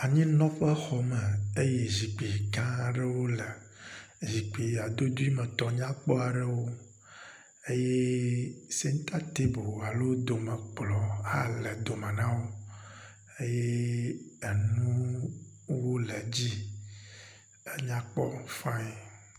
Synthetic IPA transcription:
a˨ɲĩ˦nɔ̃˦ɸɛ˦xɔ˨mɛ˨e˦je˦zi˨k͡pi˨ɡã˦˨ɖe˦wo˦lɛ˨ | zi˨k͡pi˨a˨d̪o˦d̪u˦i˦mɛ̃˨t̪ɔ˨ɲã˦k͡pɔ˦a˨ɖe˦wo˦ | e˦je˦ | si˦ŋ̩˦t̪a˦t̪e˦bo˨a˨lo˦d̪o˨mɛ̃˨k͡plɔ˨a˦lɛ˨d̪o˨mɛ̃˨nã˦wo˦ | e˦je˦ | e˨nũ˦ | wo˦lɛ˨d͡ʑi˦ | e˦ɲã˦k͡pɔ̰˦n˦fã˦ɛ˨

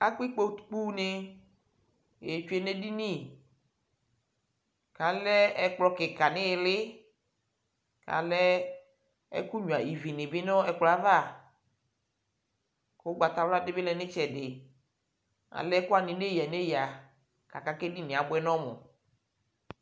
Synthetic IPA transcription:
a˦k͡pi˦k͡po˦t̪k͡pu˦ne˦ | je˨t͡ʃu˦e˦ne˦di˦nĩ˦˨ | ka˨lɛ˦ɛ˦k͡plɔ˦kɪ˨ka˨nɪ̃˦˨lɪ˦ | ka̰˨lɛ˦ | ɛ̰˦ku˦ɲũ˨a˨i˨vi˨nɪ˨bɪ˦nɔ̃˦ɛ˨k͡plɔ˨˦a˦va˦˨˦ | o˦ɡ͡ba˨t̪a˨wla˦dɪ˦bɪ˦lɛ˨nɪ̃˦t͡ʃɛ˨dɪ˨ | a̰˨lɛ˦ku˦a˦˨nĩ˨ne˦jɛ˨ne˦ja˨ | ka˨ka˦kɛ˦di˦nɪ̃˨a˨bʊ˦ɛ˦nɔ̃˦mo̰˨

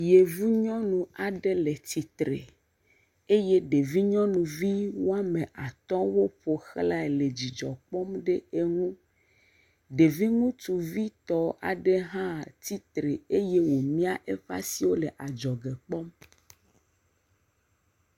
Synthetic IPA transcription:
je˨vu˦ɲɔ̃˦nũ˨a˨ɖe˦le˨t̪i˨t̪ɾe˨ | e˦je˦ɖe˨vi˦ɲɔ̃˦nũ˨vi˦wo˦a˦mẽ˨ʔa˨t̪ɔ˦wo˦ɸo˨xla˦e˨le˨d͡ʑi˨d͡ʒɔ˨k͡pɔ˦mɖe˦e˦ŋũ˦ | ɖe˨vi˦ŋũ˦t̪u˨vi˦t̪ɔ˦a̰˨ɖe˦ɦã˦t̪i˦t̪ɾe˨e˦je˦wo˨mĩ˦a˦ʔe˦ɸa̰˦si˦wo˦le˨ʔa˨d͡ʒɔ˨ɡe˨k͡pɔ˦m

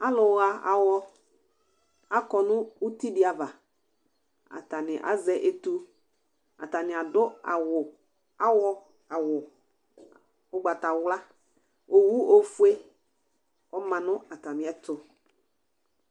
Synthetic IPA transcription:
a˦lʊ˨wa˨a˨wɔ˦ | a˦kɔ˨nʊ̃˦u˦ti˦dɪ˨˦a˨va˨ | a̰˨ta˨nɪ˨ʔa̰˦zɛ˦ʔe˦tu˦ | a̰˨ta˨nɪ̃˨a˨dʊ˦a̰˨wʊ˨ | a˦wɔ˦ | a˨wʊ˨ | ʊ˦ɡ͡ba˨ta˨wla˦ | o˨wu˦o˨fu˦e˦ | ɔ˦mã˨nʊ̃˦a˨ta˨mɪ̃˨ɛ˦tʊ˨

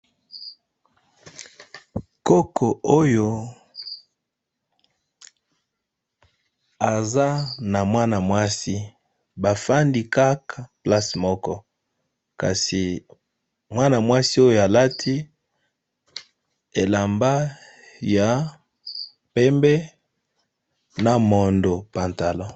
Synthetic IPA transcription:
ko˦kʰo˨ʔo˦jo˨ | a˨za˦na˨mwa˦na˨mwa˦si˦ | ba˨fa˦ndi˦ka˦kʰa˨pla˦smɔ˦kɔ˦ | ka̰˨si˨ | mwa˦na˨mwa˦si˦o˦jo˨a˨la˦tʰi˦ | e˨la˨mba˦ | ja˨ | pɛ˦mbɛ˦ | na˨mo˨ndo˨pa˨nta˨lɔ˦

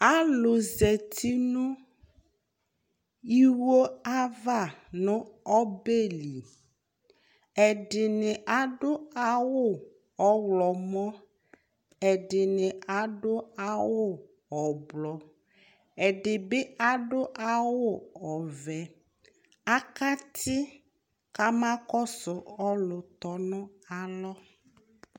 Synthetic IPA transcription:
a˦lʊ˨ze˨t̪ʰi˦nũ˦ | i˦wo˦a˦va˦˨nʊ̃˦ɔ˦be˦li˨ | ɛ˨ɖɪ˨nɪ˨ʔa˨ɖʊ˦a˨wʊ˦˨ | ɔ˨wlɔ˨mɔ̃˦ | ɛ˨ɖɪ˨nɪ˨a˨ɖʊ˦a˨wʊ˦ | ɔ˨blɔ˨ | e˨ɖɪ˨be˦a˨ɖʊ˦ʔa˨wo˦ɔ˨vɛ˨ | a˦ka˦t̪ʰi˦ | ka˦mã˦kɔ˦sʊ˨ɔ˦lʊ˨t̪ɔ˨nʊ̃˦ | a˨lɔ˦

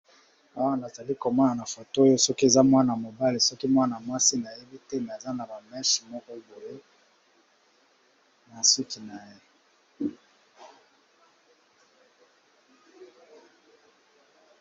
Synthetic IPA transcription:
a˦wa˦na˨za˨li˦ko˨mɔ˦na˨na˨fo˨to˦jo˦sɔ˦ki˦e˨za˦mwa˦na˨mo˨ba˦li˨sɔ˦ki˦mwa˦na˨mwa˦si˦na˨je˦bi˦te˦na˨e˨za˦na˨ba˨mɛ˦ʃmɔ˦kɔ˦e˨bo˨le˦ | na˨si˦ki˨na˨je˦

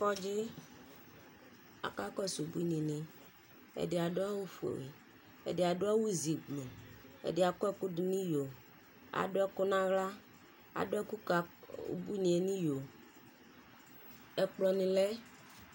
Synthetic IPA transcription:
fɔ˦d͡ʒe˦ | a̰˨ka˦kɔ˦su˨bu˦i˦nĩ˨nĩ˨ | ḛ˨de˨a˨ɖo˦a˦wu˦fu˨ḛ˨wḛ˨ | ḛ˨de˨a˨do˦a˦wu˦zi˨ɡ͡blu˨ḛ˨de˨a˨kɛ˦ku˦ɖi˨nĩ˦jo˨ | a̰˨ɖo˦ɛ˦ko˦nã˦ɣla˦ | a̰˨do˦ɛ˦ku˦ka̰˨bu˦nĩ˨e˨nĩ˦jo˨ | ɛ˨k͡plɔ˨nĩ˨lɛ˦

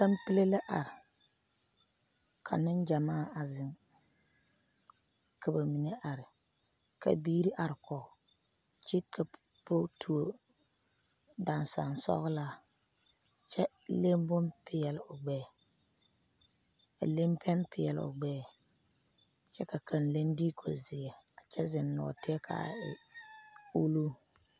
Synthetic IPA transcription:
ka˦mpi˦le˦la˦ʔa˨ɾɪ˨ | kʰa˨nɪ˦nd͡ʒa˨maː˦˨a˨zɪ˦ŋ | kʰa˨ba˨mi˨ne˦ʔa˨ɾɪ˨ | ka̰˨biː˦ɾi˦ʔa˨ɾɪ˨kʰɔ˨t͡ʃi˦kʰa˨po˦tʰu˨o˨ | da˨n˨sa̰˨nsɔ̰˦ɣʊ˦laː˦ | t͡ʃɛ˦le˦m˦bʊ˦mpɪ˨ɛ˨lɪ˦ʊ˨ɡ͡bɛː˦˨ | ka̰˨le˦mpʰɛ˦mpʰɪ˨jɛ˨lʊ̰˨ɡ͡bɛː˦ | t͡ʃɛ˦ka˨kʰa˨nle˦ndiː˦kʰo̰˨zɪ˨ɛ˨a˨t͡ʃɛ˦zɪ˨nːɔ̰˨tɪ˦ɛ˦kʰa̰˨ɪ˨ | u˦lu˦

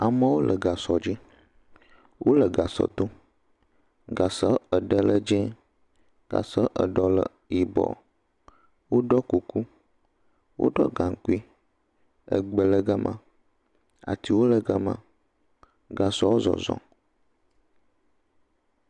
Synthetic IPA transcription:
a˨mə̃˦wo˦lʔə˨ɡa˨sɔ˨d͡ʑi˦ | wʔo˦lə˨ɡa˨sɔ̰˨d̪o˦ | ɡa˨sɔ˦ə˨ɖə˦lə˦d͡ʒɛ̃˦ | ɡ̥a̰˨sɔ˦ʔə̰˨ɖɔ˦lə̰˨ | i˨bɔ̰˨ | wo˦ɖɔ˦ku˨ku˦ | wo̰˦ɖɔ̰˦ɡã˨ŋ˨ku˦i˦ | ə̰˨ɡ͡bə˨lə˦ɡa˦mʔã̰˨ | a̰˨t̪i˨wo˦lə˨ɡa˦mã̰˨ | ɡa˨sɔ˦wo˦zɔ̰˨zɔ̰̃˨

